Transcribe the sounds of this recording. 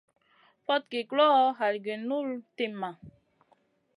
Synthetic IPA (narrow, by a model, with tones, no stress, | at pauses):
fɔ˦t̚ke˨klɔ˦ɦa˨lɡe˨nu˦lte˨mːa˨